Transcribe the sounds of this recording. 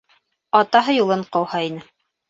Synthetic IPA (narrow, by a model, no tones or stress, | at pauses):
ɑt̪ɑɦɤjulˠɤɴqɑwhɑinɘ